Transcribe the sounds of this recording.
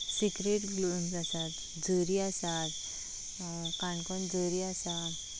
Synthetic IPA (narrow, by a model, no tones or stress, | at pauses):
sikɾeʈɡlumsasat̪ | d͡zəɾiasat̪ | kãɳkɔnd͡zəɾiasa